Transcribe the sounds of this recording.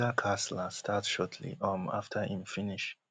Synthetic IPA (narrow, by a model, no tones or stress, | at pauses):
əkʰasləstʰatʃɔtʰlḭʔɔ̃ma̰ftʰəhĩmfiniʃ